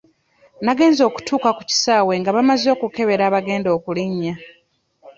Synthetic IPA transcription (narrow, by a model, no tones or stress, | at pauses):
naɡe̞ːnzo̞ːku̥tʰuːkaku̥ci̥saːwe̞ŋɡaβamazo̞ːkuke̞βe̞ɾaːβaɡe̞ːndo̞ːkuliɲːa